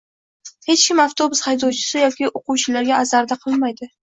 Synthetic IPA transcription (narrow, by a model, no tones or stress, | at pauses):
he̞t͡ʃkʲɪmaft̪ʰobʊshajd̪ɒwt͡ʃʰɪ̥sɪjɒkʲɪʔoquwt͡ʃʰɪlaɾɡʲaːzaɾd̪aqʰɨlˠmajd̪ɪ